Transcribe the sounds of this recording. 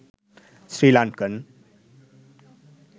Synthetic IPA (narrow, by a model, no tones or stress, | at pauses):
srilankən